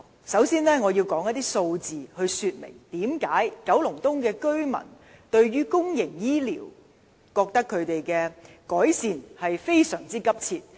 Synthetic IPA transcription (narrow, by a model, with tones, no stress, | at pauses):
sɐ˨˥wsiː˥nlɛː˥ŋɔː˨˧jiː˧wkɔː˨˥ŋjɐ˥t̪iː˥so˧wt͡siː˨hɵ˧ɥsyː˧t̚mɪ̰˨˩ŋt̪iː˨˥mkaː˨˥jkɐ˨˥wlʊ˨˩ŋt̪ʊ˥ŋkɛː˧kɵ˥ɥmɐ̰˨˩n | t̪ɵ˧ɥɥyː˥kʊ˥ŋjɪ˨˩ŋjiː˥lḭː˨˩w | kɔː˧k̚t̪ɐ˥kʰːɵ˨˧ɥt̪e˨jkɛː˧ | kɔː˨˥jsiː˨˧nhɐ˨jfe˥jsœː˨˩ŋt͡siː˥kɐ˥p̚t͡sʰiː˧t̚